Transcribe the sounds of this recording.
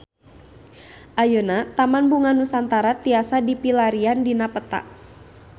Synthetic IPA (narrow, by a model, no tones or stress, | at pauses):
ʔajonat̪amanbuŋanusant̪aɾat̪iasadipilaɾiandinapət̪a̰ʔ